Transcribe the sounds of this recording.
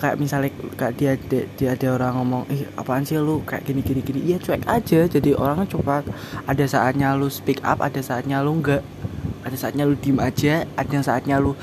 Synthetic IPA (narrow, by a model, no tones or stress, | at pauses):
kaja̰ʔmisalɪkkaʔdiadad̥iadaoɾaŋːɔmɔŋɪha̰pansialokajaʔkinikinikiniʔjat͡ʃuɛkad͡ʒad͡ʒadiʔo̰ɾaŋat͡ʃopak̪̚ | adasaʔat̪̚ɲalospika̰pa̰dasaat̪̚ɲaloŋɡaʔ | adasaat̪ɲalud̥imad͡ʒaadaŋsaʔat̪̚ɲalo